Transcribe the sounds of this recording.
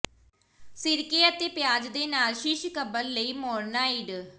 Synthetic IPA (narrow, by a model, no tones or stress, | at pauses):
sɪɾkeːət̪eːpɪjaːd͡ʒd̪eːnaːlʃɪʃkəbəlːəiːmɔːɾnaːiːɖ